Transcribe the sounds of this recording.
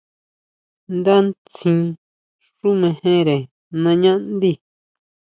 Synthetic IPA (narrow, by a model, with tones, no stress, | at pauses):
nd̪a˦nt͡sĩ˧˦ | ʂu˦mẽ˧hẽ˦ɾe˨ | nã˧ɲã˦ʔnd̪i˦˨